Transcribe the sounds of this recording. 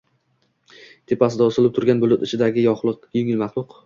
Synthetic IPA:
t̪ʰe̞pʰasɪd̪aʊsɪlˠɪp̚t̪ʰʊɾɡʲanbʊlʊt̪ɪt͡ʃʰɪd̪aɡʲɪjɒχlˠɨqjʊŋʲɪlmɑχlˠʊq

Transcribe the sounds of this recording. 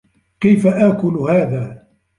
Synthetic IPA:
kajfaʔaːkʊlhaːðaː

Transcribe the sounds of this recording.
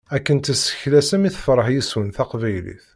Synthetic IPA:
ækːənt̪əsːə̥çlæsæmiθfəɾˤəħjiswənθɑqvæjlḭθ

